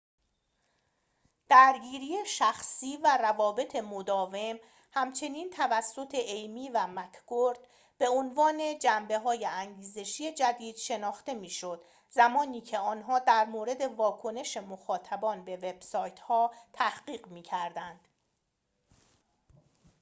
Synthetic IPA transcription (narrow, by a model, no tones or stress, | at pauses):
d̪̥æɾɡiːɾijeʃæxsiːværævɒːbe̞t̪ʰe̞mod̪ɒːve̞m | hæmt͡ʃʰe̞niːnt̪ʰævæsːo̞t̪ʰe̞ʔejmiːvæmækʰɡoɾd̪̥ | b̥e̞onvɒːne̞d͡ʒæmbe̞ɦɒːje̞æŋɟiːze̞ʃiːje̞d͡ʒæd̪iːd̪̥ʃe̞nɒːxt̪e̞miːʃo̞d̪̥ | zæmɒːniːcʰe̞ɒːnɦɒːd̪æɾmoːɾe̞d̪e̞vɒːkʰo̞ne̞ʃemoxɒːt̪ʰæbɒːnbe̞ve̞b̥sɒːjt̪ʰhɒːt̪ʰæhɢiːɢmiːcʰæɾd̪ænd̪̥